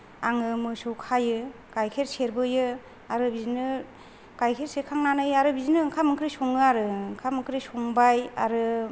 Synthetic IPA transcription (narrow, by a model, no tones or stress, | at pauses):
aŋɯmɯsuwkʰajɯ | kajkʰeɾseɾbɯjɯ | aɾɯbizinɯ | kajkʰeɾsekʰaŋnanɯjaɾɯbizinɯːŋkʰamɯŋkɾisɔŋɯaɾɯŋkʰamɯŋkɾisɔŋbaja̰ɾɯ